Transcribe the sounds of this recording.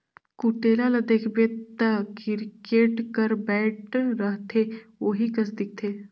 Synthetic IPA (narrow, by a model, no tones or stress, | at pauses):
kuʈeːlalɐd̪eːkʰbet̪əkɪɾkeːʈkəɾbɛːʈʰɾəɦt̪ʰeʋoːɦikɐs̬d̪ɪk̚t̪ʰeː